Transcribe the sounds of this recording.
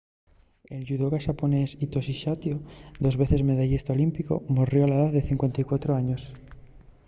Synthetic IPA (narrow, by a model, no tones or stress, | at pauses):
e̞lʝuðoɣaʃapone̞sit̪o̞siʃat̪jod̪o̞zβe̞θe̞zme̞ðaʝest̪aolimpiko̞̰morjoalaðaððeθiŋkwe̞nt̪ajkwat̪ɾoaɲos